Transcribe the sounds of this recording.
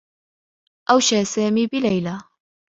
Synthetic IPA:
ʔawʃaːsaːmiːbɪlajla

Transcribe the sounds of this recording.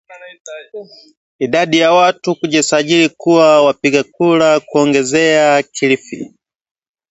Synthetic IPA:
iɗaɗijawatukuʄisaʄilikuwawapiɠakuɾakuɔŋɡɛzɛakʰilifḭ

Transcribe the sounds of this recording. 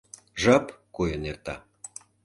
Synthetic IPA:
ʒɑpkojənert̪ɑ̰

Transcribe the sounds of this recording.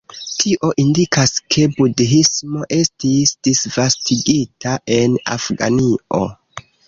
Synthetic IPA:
tʰiʔo̞ʔindikaskʰe̞budɦismo̞ʔe̞stisdisvastiɡitaʔe̞na̰fɡa̰nio̞̰

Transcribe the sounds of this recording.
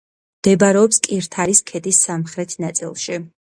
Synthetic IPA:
md̪̥ɛbaɾɛɔpskʼiɾt̪ʰaɾiskʰɛd̪isːamχɾɛt̪ʰnat̪sʼḭlˠʃi

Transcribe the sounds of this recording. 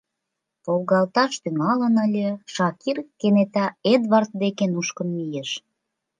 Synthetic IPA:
polɣɑlt̪ɑʃt̪yŋɑlənəlʲeʃɑkirkenet̪ɑed̪βɑrt̪̚d̪ekenuʃkənmijeʃ

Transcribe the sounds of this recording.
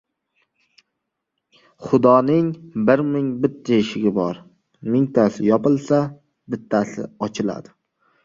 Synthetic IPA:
χʊd̪ɒnɪŋbɪɾmɪŋbɪt̪ʰːaɪʃɪɡʲɪbɒɾ | mɪŋt̪ʰasɪjɒpɪlˠsa | bɪt̪ʰːasɪ̰ɒt͡ʃʰɪla̰d̪ɪ

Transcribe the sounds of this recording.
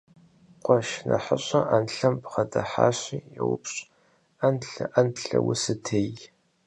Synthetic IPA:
qʷɔʃnɐħəɕʷʼɐʔanɬɐmpʰχɐdɐħa̰ːɕiːjɛwʊpɕʼ | anɬɨʔɐnɬɐ̰wʊsɨtʰej

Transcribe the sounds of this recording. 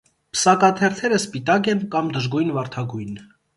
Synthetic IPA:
pʰə̥sɑkɑt̪ʰɛrt̪ʰɛɾəspit̪ɑk̬ɛnkɑmd̪əʒɡujnvɑɾt̪ʰɑɡujn

